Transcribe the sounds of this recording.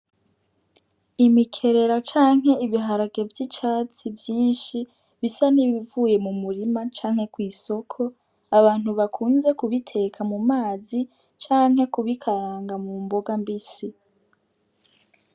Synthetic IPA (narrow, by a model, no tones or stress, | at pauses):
imikʰe̞ɾe̞ɾat͡ʃaːŋɦe̞iβiɦaɾaɡe̞vjit͡ʃaːt͡sivjiːnʃi | βisaniβivuːje̞mumuɾimat͡ʃaːŋ̥he̞kwiːso̞kʰo̞ | aβaːn̥huβakʰuːnze̞kuβitʰe̞kʰamumaːzi | t͡ʃaːŋ̥he̞kuβikʰaɾaːŋɡamumbo̞ɡambisi